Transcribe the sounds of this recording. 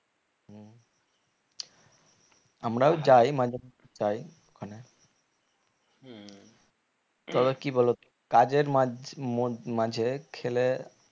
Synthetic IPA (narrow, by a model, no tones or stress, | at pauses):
ɦ̩ | amɾaod͡ʑajmad͡ʑʱe | t͡ɕaj | okʰane | t̪ɔbekibʱɔlo | kad͡ʑeɾa | mad͡ʑʱekʰele